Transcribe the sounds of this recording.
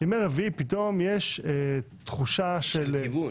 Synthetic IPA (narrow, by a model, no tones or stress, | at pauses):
imeʁevipit̪o̞mjeʃe | t̪χuʃaʃelvu